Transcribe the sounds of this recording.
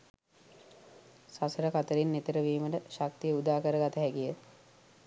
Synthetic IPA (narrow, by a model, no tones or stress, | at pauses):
sasəɾəkat̪əɾinːet̪əɾəʋiːməʈəʃak̚t̪ijəud̪aːkəɾəɡat̪əɦækijə